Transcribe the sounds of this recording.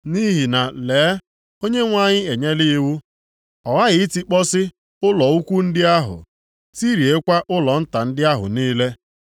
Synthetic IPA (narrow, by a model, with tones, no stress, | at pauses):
ni˦ɦi˨na˨leː˨˦ | o˦ɲe˦ŋʷa˦˨ɲɪ˦e˨ɲe˦li˦wu˦ | ɔ˨ɣa˦ɣɪ˨i˦ti˦k͡pɔ˦sɪ˦ | ʊ˦lɔ˨u˦kʷu˦n̩˦dɪ˦a˦ɦʊ̰˨ | ti˦ɾi˨e˦kʷa˦ʔʊ˦lɔ˨n̩˦ta˨n̩˦dɪ˦a˦ɦʊ̰˨niː˦le˦